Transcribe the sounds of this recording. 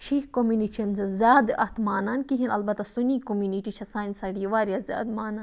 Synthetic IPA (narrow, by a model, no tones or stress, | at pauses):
ʃʰihkomuniʈʰɐnzzjaːd̪ɐt̪maːnaːnkiɦinɐlbɐt̪ɐsunikomjuniʈit͡ʃʰɐsaːinsɐɽiiʋaːɾijɐzʲja̰ːd̪maːnan